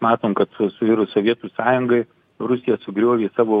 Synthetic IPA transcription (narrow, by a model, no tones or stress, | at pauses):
mɑːt̪oːmkɐt̪ʊsʊʋʲiːɾʊsoʋʲiɛt̪uːsɑːjʊŋɡɐɪ | ɾʊsʲɪjɛsʊɡɾʲuɔʋʲeːsɑːʋoː